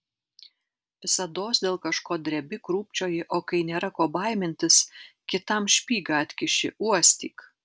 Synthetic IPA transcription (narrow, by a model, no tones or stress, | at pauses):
sɐd̪oːsd̪ʲeːlˠkɐʃkoːd̪ʲɾʲɛbʲɪkɾuːpʲt͡ʃʲoːjɪʔoːkɐɪnʲeːɾɐkoːbɐˑɪmʲɪnʲt̪ʲɪskʲɪt̪ɐmʃʲpʲiːɡɐɐt̪ʲkʲɪʃʲɪ̰ʔuɔsʲt̪ʲiːk